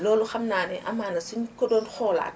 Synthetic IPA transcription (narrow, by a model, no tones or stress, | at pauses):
lɔːluxamnaːnɛʔamaːnɐsiɲkɔdɔːnxɔːla̰ːt